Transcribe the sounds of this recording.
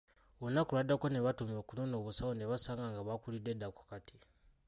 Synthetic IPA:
onakuɾwadakoneβatumjo̞ːkunonoβusawoneβasaːŋɡaŋɡaβakulidedako̥katʰi̥

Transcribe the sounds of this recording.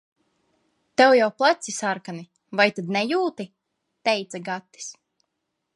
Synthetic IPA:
t̪ɛwjawplˠat̪sisaɾkani | vajt̪ad̪nɛjuːt̪i | t̪ɛjt̪saɡat̪ːi̥s

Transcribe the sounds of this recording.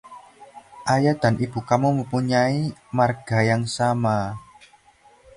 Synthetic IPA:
ʔajad̪̥a̤nʔib̥ṳkamuməmpuɲaimarɡ̥a̤jaŋsama

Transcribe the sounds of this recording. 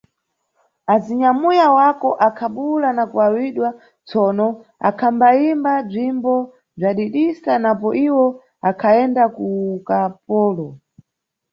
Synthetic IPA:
aziɲamujawakɔʔakʰaɓulanakuwawiɗwa | t͡sɔnɔa̰kʰambaimbab͡ʐimbɔ | b͡ʐaɗiɗisanapɔʔiwɔ | akʰaɛndakukapɔːlɔ

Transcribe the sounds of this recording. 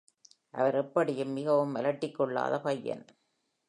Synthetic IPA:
ʔɐ̰ʋɐɾɛpːɐɽɪjɯmːɪɣɐʋɯmʋɐlɐʈːɪkːɔɭːa̰ːðɐpɐjːɐ̰n

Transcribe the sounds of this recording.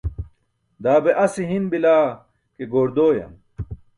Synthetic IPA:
d̪aːbeʔɐsiɦimbilaː | keɡoːɾd̪oːjɐ̰m

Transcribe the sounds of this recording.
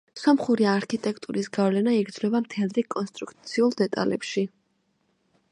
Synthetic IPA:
sɔmχuɾiaɾkʰit̪ʼɛkʰt̪ʼuɾisɡavlɛnaiɡɾd̪zlɔbamt̪ʰɛlˠɾikʼɔnst̪ʼɾukʰt̪sʰiulˠd̪ɛt̪ʼa̰lɛ̰pʃi

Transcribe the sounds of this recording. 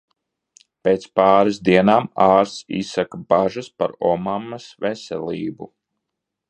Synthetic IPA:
peːt̪spaːɾɨsd̪iɛnaːmaːɾsḭsakabaʒaspa̰ɾɔmamːɐsvɛsɛliːbṵ

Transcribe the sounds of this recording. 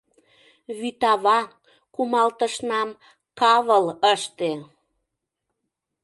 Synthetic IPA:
βyt̪ɑβɑ | kumɑlt̪əʃnɑm | kɑβələʃt̪e

